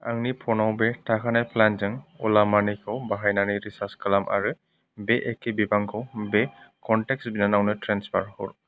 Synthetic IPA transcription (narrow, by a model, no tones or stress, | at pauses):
a̰ŋnipʰɔnawbɛtʰakʰanajpʰlanzaŋɔ̰lamanikʰɔwbaɦajnaniɹisaskalamʔa̰ɹɯ | bɛʔɛkebibaŋkʰɔwbɛkɔntɛksbinanawnɛtʰɹɛnspʰaɹhɔ̰ɹ